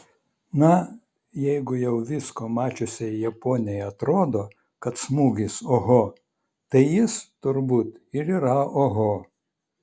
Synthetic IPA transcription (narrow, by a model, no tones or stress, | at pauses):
nɐ | jɛɪɡʊjɛʊʋʲɪskoːmɑːt͡ʃʲʊsʲɛjjɛpoːnʲɪjɛɐt̪ɾoːd̪oː | kɐt̪smuːɡʲɪsoɦo | t̪ɐɪjɪst̪ʊɾbuːt̪ɪɾiːɾɐoɦo